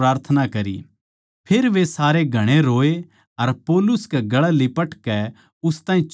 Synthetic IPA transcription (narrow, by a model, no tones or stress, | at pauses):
ɾaːɾt̪ʰənakɐɾḭ | pʰeːɾʋesaːɾeɡʱɐɽ̃eɾoːe | ɐɾpɔːlʊskɛɡɐɭɛlɪpəʈkɛ | ʊst̪aːɦĩt͡ʃ